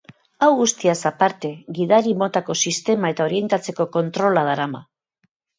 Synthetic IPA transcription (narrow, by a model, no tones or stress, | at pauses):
awɣust̪iasapaɾt̪e̞ɣiðaɾimo̞t̪ako̞sist̪e̞mae̞t̪ao̞ɾie̞nt̪at͡se̞ko̞ko̞nt̪ɾo̞lað̞aɾama